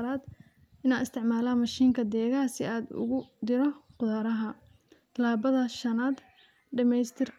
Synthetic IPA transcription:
ɾaːd̪ | ɪnaːɪst̪ʰɪʕmaːlaːmɐʃiːŋkʰɐd̪ɛːɣaːsɪaːd̪ʊ̰ɣʊd̪ɪɾɔqʊðaːɾɐɦɐ | t̪ʰɐlaːβɐðɐʃɐnaːd̪ | ɖɐmɛjst̪ʰɪr

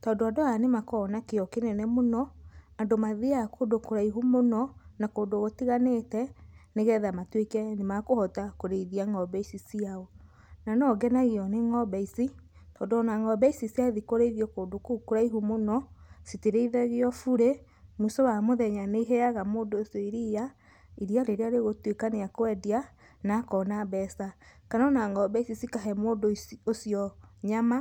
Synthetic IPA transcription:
tɔːndoadoanemakɔnakeɔkenɛnɛmonɔandomaðeakoːdokoɾaiɦumonɔnakoːndoɣotiɣanetɛneɣɛðamatwekɛnemakohɔtakoɾeiðiaŋɔbɛisisiaɔ | nanɔɡɛnaɣeɔneŋɔbɛisitɔːndonaŋɡɔbɛisisiaðikoɾeiðiɔkoːdokukuɾaiɦumonɔsiteɾeiðɛɣeɔfuɾe | musɔwamoðɛɲaneiɦɛaɣamoːndoːsiɔiɾija | iɾiaɾeɾeaɾeɣotwekaneakoɛdia | nakɔnaβɛsakanɔnaŋɡɔbɛisisikaɦɛmoːndoosiɔɲama

